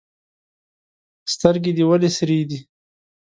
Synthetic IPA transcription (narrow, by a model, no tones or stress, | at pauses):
st̪əɾɡid̪iwalesɾid̪i